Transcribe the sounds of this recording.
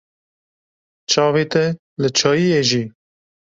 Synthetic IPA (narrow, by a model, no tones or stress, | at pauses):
t͡ʃʰɑːveːt̪ɛ | lɨt͡ʃʰɑːjijeːʒiː